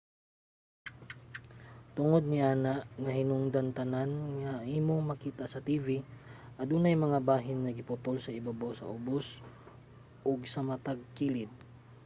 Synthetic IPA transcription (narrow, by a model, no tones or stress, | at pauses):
t̪ʊŋod̪̚nɪʔaːnaʔŋɐhɪnʊŋd̪ɐnt̪ɐnanŋɐʔiːmoŋmɐkiːt̪asɐt̪iːviʔɐd̪uːnajmɐŋabaːɦɪnːɐɡɪpʊt̪olsɐɪbabosɐ̰ʔʊbos | ʔoɡsɐmɐt̪aɡ̚kilɪd̪̚